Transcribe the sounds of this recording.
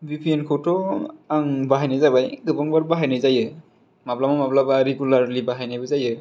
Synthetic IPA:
bipʰiɛnkʰɔtɔaŋbaɦajnajzabajɡɯbɔŋbaɹbaɦajnajzajɯ | mablamɔmablabaɹiɡulaɹlibaɦajnajbɔzajɯ

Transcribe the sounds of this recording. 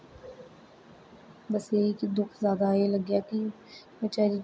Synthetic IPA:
bəseikd̪ʊkʰzaːd̪aːeləɡjaːki | ʋət͡ʃaːɾiː

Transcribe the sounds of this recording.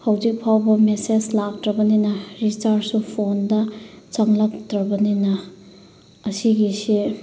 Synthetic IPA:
hɐwzik̚pʰawbɐmesed͡ʒlak̚tɾɐbɐninɐɾit͡ʃaɾsupʰondɐt͡ʃɐŋlɐk̚tɾɐbɐninɐː | siɡisi

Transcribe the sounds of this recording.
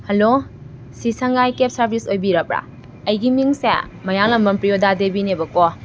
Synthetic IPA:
hɐlo | sisɐŋɡajkep̚sɐɾbʱisojbiɾɐp̚ɾa̰ | ɐjɡimiŋsḛmɐjaŋlɐmbɐmpɾijodadebinebɐkɔ

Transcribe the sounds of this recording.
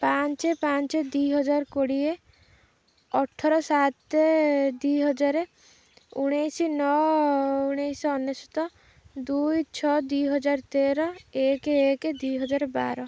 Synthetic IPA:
pant͡ʃepant͡ʃed̪ujɦɔd͡ʒaɾkoɽie | ɔʈʰːɔɾɔsat̪ed̪ujɦɔd͡ʒaɾe | uɽ̃ejsinɔ | uɽ̃ejsɔɔnːesu̥t̪ɔ | d̪ujt͡ʃʰɔd̪ujɦɔd͡ʒaɾt̪eɾɔekeeked̪ujɦɔd͡ʒaɾeba̰ɾɔ

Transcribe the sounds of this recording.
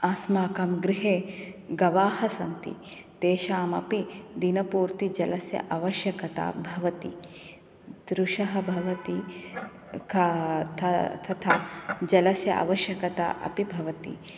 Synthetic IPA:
aːsmaːkɐmɡɾɪɦeːɡɐʋaːhɐsɐnt̪ḭ | t̪eːʃaːmɐ̰pid̪inɐpuːɾt̪id͡ʒɐlɐsjɐ̰ʔaʋɐʃjɐkɐt̪a̰ːbʱɐʋɐt̪ḭ | d̪ɾuʃɐɦɐbʱɐʋɐt̪i | kʰɐt̪ʰɐt̪ʰɐt̪ʰaːd͡ʒɐlɐsjɐ̰ʔa̰ʋɐʃjɐkɐt̪a̰ʔɐ̰pibʱɐʋɐt̪ḭ

